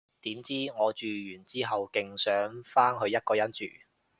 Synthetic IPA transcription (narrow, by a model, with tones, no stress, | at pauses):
t̪iː˨˥mt͡siː˥ŋɔː˨˧t͡ʃyː˨jyː˨˩nt͡siː˥ɦɐ˨wkɪ˨ŋsœː˨˥ŋfaː˥ŋɦɵ˨˧ɥjɐ˥t̚kɔː˧jɐ˥nt͡ʃy̰ː˨